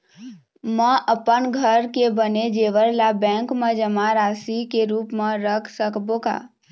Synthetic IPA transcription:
məʔəpənɡʱəɾkebəned͡ʒeʋəɾlabɛ̃ŋkmẽd͡ʒəmaɾasikeɾupmeɾəkʰsəkboka̰

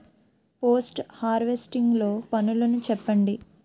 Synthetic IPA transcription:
po̞ːsʈhaːɾʋesʈiŋɡlo̞ːpɐnulɐnut͡ʃɛpːɐɳɖi

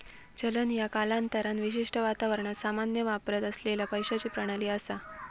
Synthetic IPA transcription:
t͡ɕələnjakalant̪əɾanʋiɕ̬iʂʈəʋat̪aʋəɾɳ̃at̪samanjəʋapɾət̪əslelapəjɕat͡ɕiːpɾəɽ̃aliːəsa

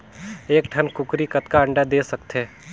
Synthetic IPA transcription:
eːkʈʰɐnkʊkɾikɐt̪kaɐ̃ɳɖad̪eːsɐkt̪ɦeː

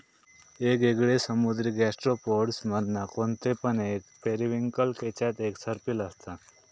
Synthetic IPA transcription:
eːɡeɡɽesəmud̪ɾiɡɛsʈɾopoɖsməd̪nakont̪epəneːkpeɾiʋiŋkəlket͡ʃat̪eːksəɾpiləst̪a

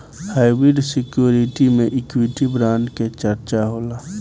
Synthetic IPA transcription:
haːɪbɾɪɖsɪkjuːɾɪʈimẽʔɪkwiʈibɾãːnɖket͡ʃəɾt͡ʃaɦoːlaː

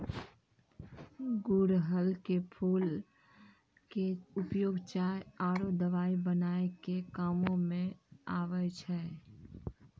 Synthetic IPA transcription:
ɡuɾɦəlkepʰuːl | keʊpjoːɡt͡ʃaːeaːɾod̪əʋaːibənaːekekaːmõmẽaːʋət͡ʃʰɛ

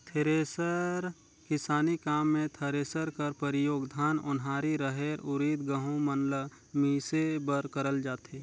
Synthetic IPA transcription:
t̪ʰeɾesəɾ | kɪsaːnikaːmːẽt̪ʰəɾeːsəɾkəɾpəɾɪjoːɡd̪ʱaːnʊ̰nɦaːɾiɾəɦeːɾʊɾiːt̪ɡəɦũmənlə | miːsebəɾkəɾəld͡ʒaːt̪eː

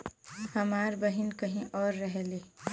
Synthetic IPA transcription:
hɐmaːɾbəɦɪnkəɦĩʔɔːɾːɐɦeleː

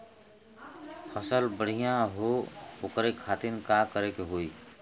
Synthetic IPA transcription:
pʰəsəlbəɽ̤ijãɦookɾekʰaːt̪inkakəɾekeɦoi

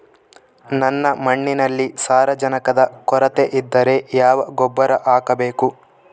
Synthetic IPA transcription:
nɐnːɐmɐɳːinɐlːisaːɾɐd͡ʒɐnɐkɐd̪ɐkɔɾɐt̪eʔid̪ːɐɾe̞jaːʋɐɡɔbːɐɾɐʔaːkɐbeːku

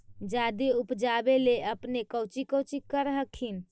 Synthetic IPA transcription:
d͡ʒad̪eupd͡ʒabeleəpnekəwt͡ʃikəwt͡ʃikəɾɦəkʰin

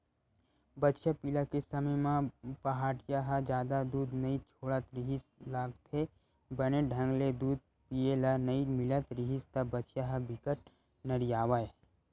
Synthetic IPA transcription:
bɐtːʃʰapilakesəməjmãpɐɦaːʈjaɦad͡ʒjaːd̪ad̪uːd̪nɐit͡ʃʰoːɽət̪ɾiɦislaːɡt̪ʰe | bəñeɖʱɐ̃ŋɡled̪uːd̪̚ | pielanɐimɪlət̪ɾiɦist̪ɐbətːʃjaɦəbɪkəʈ̚ | nɐɾijaːʋae

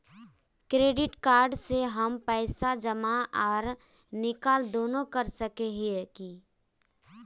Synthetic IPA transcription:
kɾeːɖɪʈkaːɾɖseɦɐmpɛːsad͡ʒəmaʔɔːɾ | nɪkaːld̪oːnõkɐɾsəkeɦeki

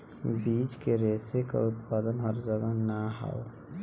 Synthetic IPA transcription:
biːt͡ʃkeɾeːseka̰ʊt̪paːd̪ənɦəɾd͡ʒəɡanaɦa̰o

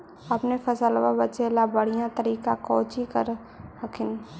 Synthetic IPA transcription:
ɐpnefʰəsəlʋabət͡ʃeːlabəɽ̤ijãt̪əɾiːkakɔːt͡ʃikəɾ | ɦəkʰɪn

